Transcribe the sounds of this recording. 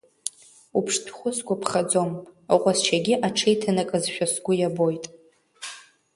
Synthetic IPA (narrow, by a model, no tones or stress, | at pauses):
upʰʂtʰχʷʊsɡʷapʰχad͡zo̞mqʷʼast͡ʃʰaɡʲɪʔaʈ͡ʂʰejtʰanakʼɨzʃᶣasɡʷʊjabojtʼ